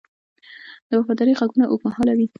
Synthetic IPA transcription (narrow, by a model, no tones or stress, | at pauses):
d̪̥əwafɑd̪ɑɾəjɣaɡunaʔokmahɑlawi